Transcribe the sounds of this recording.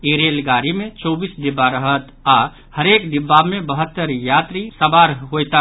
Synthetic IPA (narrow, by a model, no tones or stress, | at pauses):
iɾeːlɡaːɾimẽt͡ʃoːbiːsd̪ɪbːaɾəɦət̪a | həɾeːkd̪ɪbːamẽbəɦət̪ːəɾjaːt̪ɾisəbaɾəɦɦojt̪a